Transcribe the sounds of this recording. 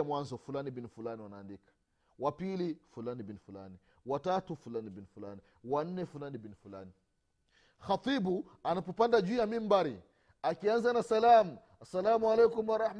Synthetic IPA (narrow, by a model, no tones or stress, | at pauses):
mwanzɔfulanibinifulaniwanaːndikḁ | wapilifulanibinifula̰ni | watatufulanibinfulani | wan̩ːɛfulanibinifulani | xat̪ˤibu | anapɔpandad͡ʒijamimbaɾi | akianzanasalamu | asalamualɛkumwaɾˤɑħm